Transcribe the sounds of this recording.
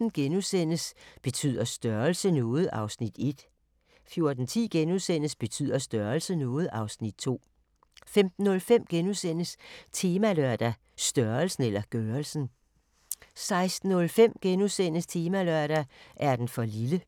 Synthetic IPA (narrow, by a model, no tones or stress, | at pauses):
n̩ɡ̥enusen̰əsb̥e̝t͡sʰy̰ð̞̰ˠɐsd̥ɶɐlsənɔːð̞̩ˠɑ̈ʊsnid̥e̝d̥ | fjo̝ɐd̥n̩t͡sʰḭːɡ̥enusen̰əsb̥e̝t͡sʰy̰ð̰ˠɐsd̥ɶɐlsənɔ̽ːð̞̩ˠɑ̈ʊsnid̥t͡sʰo̝̰ː | femd̥n̩ːɔ̽lfem̰ɡ̥enusen̰əst͡sʰe̝ːmælœɐ̰d̥æ | sd̥ɶɐlsn̩elɐɡ̥œɐlsn̩ | sɑ̈ɪsd̥n̩ɔ̽lfem̰ɡ̥enusen̰əst͡sʰe̝ːmælœɐ̰ɾ̥æʔæɐd̥enfɒ̽lilə